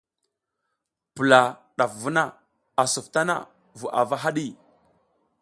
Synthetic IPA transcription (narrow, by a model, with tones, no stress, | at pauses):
pə˨la˨ | ɗa˨fvu˦na˦˨ | a˨su˨fta˦na̰˦ | vu˨ʔa˨va˦ɦa˦ɗi˦˨